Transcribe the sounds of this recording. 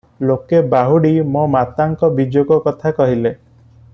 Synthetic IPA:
lokebaɦuɽimomat̪aŋkɔbid͡ʒoɡɔkɔt̪ʰakɔɦile

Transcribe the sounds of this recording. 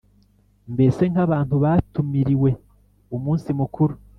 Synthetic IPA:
mbe̞se̞ŋhaβaːnthuβaːtumiɾiwe̞ | umuːnsimukuɾu

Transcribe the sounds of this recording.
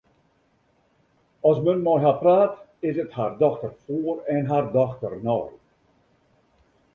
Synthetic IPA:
ɔsmənmɔjɦapraːtɪsəthardɔxtərfuːərɛnɦardɔxtərnɔ̰ːj

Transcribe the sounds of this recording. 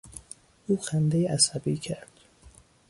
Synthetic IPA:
ʔuːxænd̪ejeʔæsæbiːcʰæɾd̪̥

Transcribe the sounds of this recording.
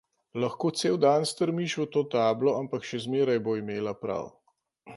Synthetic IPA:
lɐxkoːt̪seːwd̪anst̪əɾmiʃut̪oːt̪aːblɔampakʃɛzmeːɾajboːimeːlapɾa̰w

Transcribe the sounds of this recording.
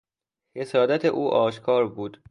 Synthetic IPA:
he̞sɒːd̪æt̪ʰeʔuːʔɒːʃkʰɒːɾbuːd̪̥

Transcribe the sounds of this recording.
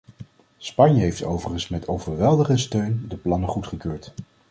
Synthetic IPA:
spɑɲjəɦejftowvəχənsmɛtʰowvəɹʋɛlˠdəχəstøɥndəplɑnəχutχəkøːɹt

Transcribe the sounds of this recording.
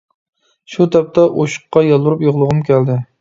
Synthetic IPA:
ʃut̪ʰɛp̚t̪ʰɛʔoʃʊ̥qːɑjɑlˠbuɾupjoʁlˠʊʁʊmkʲʰæld̪ɪ

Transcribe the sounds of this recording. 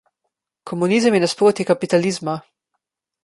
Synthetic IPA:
kʰɔmunizəmjɛnaspɾoːt̪ikapit̪aliːzma

